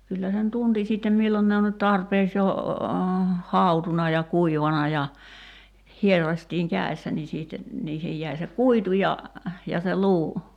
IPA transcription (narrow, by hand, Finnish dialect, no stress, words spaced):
kylːæ sen tunti sitːem milːon ne on nyt tɑrpeːks jo hɑˑutunɑ jɑ kuiʋɑnɑ jɑ hierːɑsʲtiːŋ kæˑe̝sːæ ni siːtːe niːhej jæi se kuitu jɑ jɑ se luː